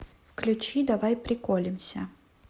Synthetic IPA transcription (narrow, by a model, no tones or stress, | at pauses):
fklʲut͡ɕid̪avajpɾʲɪkɔlʲɪmsʲɐ